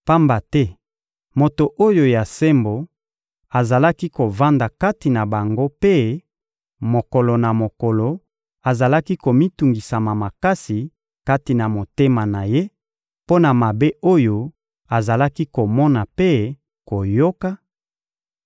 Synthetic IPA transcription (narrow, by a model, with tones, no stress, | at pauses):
pa˦mba˨tɛ˦ | mo˨to˨ʔo˦jo˨ja˨se˦mbo˨ | a˨za˨la˦ki˦ko˨va˦nda˨ka˦ti˨na˨ba˨ŋɡo˦pe˦ | mo˨ko˨lo˨na˨mo˨kɔ˨lo˨ | a˨za˨la˦ki˦ko˨mi˦tu˨ŋɡi˨sa˨ma˨ma˨ka˦si˨ | ka˦ti˨na˨mo˨te˦ma˨na˨je˦ | po˦na˨ma˨be˦ʔo˦jo˨ | a˨za˨la˦ki˦ko˨mɔ˦na˨pe˦ | ko˨jo˦ka˦